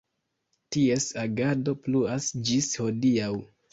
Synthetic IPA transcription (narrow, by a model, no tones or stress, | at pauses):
tie̞saɡado̞pluasd͡ʒisho̞diaw